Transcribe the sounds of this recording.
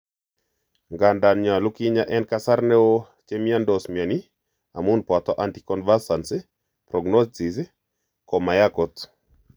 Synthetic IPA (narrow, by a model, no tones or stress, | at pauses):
ŋɡandamɲalukiɲaʔɛnkasarnɛo | t͡ʃemiandɔsmiani | a̰munpat̪ɔʔantikɔnvasansɪ | pɾɔɡnɔstis | kɔmajakɔt̪